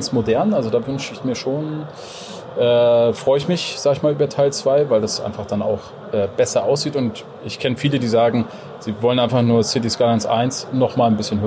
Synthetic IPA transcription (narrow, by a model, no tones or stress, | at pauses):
nsmodɛɐnʔalzodaːvʏnʃəɪçmiːɐʃoːn | ʔɛːfʁ̥ɔʏəɪçmɪçz̥aːɡəɪçmaːlyːbɐtʰaɪlt͡sv̥aɪvaɪldasʔaɪnfaχd̥ana̰ʊx | ʔɛːb̥ɛsɐʔaʊs̬z̥iːtʊnt | ʔɪçkʰɛnəfiːlədiːzaːɡŋ̩ | z̥iːvɔlənʔaɪnfaχnuːɐsɪtiskalansʔa̰ɪnsnɔχmaːlnbɪsçənɦø